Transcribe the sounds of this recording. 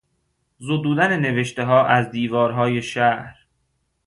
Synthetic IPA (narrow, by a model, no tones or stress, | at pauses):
zod̪uːd̪ænene̞veʃt̪e̞ɦɒːʔæzd̪iːvɒːɾɦɒːje̞ʃæhɾ